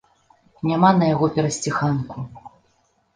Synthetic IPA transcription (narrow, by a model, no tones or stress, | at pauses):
nʲamanɐjaɣɔpʲɛɾɐsʲt͡sʲixanku